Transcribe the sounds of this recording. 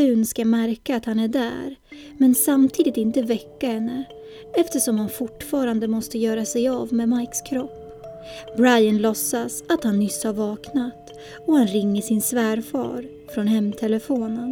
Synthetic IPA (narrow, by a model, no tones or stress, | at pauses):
ʉ̟ːnskamæɾkaːt̪hanæɖæ̰ːɾ | mɛnsamt̪ʰiːd̪ɪt̪ɪnt̪əvɛkːahɛnːə | ɛft̪əʂɔmhanfʊʈfɑːɾand̪əmɔst̪əjœːɾasɛjavmɛmajkskʰɾɔpː | bɾajanlɔsːasat̪hanːʏshaɾvɑːknat̪ | ɔhanɾɪŋːəʂɪnsvæːɾfɑ̰ːɾ | fɾɔnɦɛmːt̪ʰɛləfoːnən